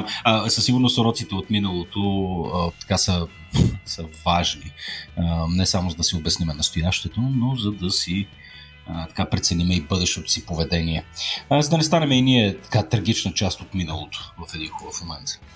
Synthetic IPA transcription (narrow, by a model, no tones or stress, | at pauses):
məsəsiɡʊɾnosɾɔt̪sit̪ɛot̪minəlˠot̪ot̪ɐ̥kasə | səvaʒniənɛsamʊzɐd̪ɐsiobɛsnimɛnɐst̪ojaʃt̪ɛt̪onozɐd̪ɐsi | ət̪ɐ̥kapɾɛt̪sɛnimɛibɤd̪ɛʃt̪ɛt̪o̥sipovɛd̪ɛniɛzɐd̪ɐnɛst̪anɛmɛiniɛt̪ɐ̥kat̪ɾɐɡ̟it͡ʃnət͡ʃast̪ot̪minəlˠot̪o̥vɐfɛd̪inxubəfmomɛnt̪